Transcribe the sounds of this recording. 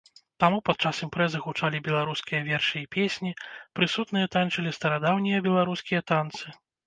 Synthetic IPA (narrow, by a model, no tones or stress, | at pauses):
t̪amupat̪̚t͡ʂasimpɾɛzɨɣut͡ʂalʲibʲɛlˠaɾuskʲijɐvʲɛrʂɨipʲesʲnʲipɾɨsut̪nɨjɐt̪ant͡ʂɐlʲist̪ɐɾad̪awnʲijɐbʲɛlˠaɾuskʲijɐt̪ant̪sɨ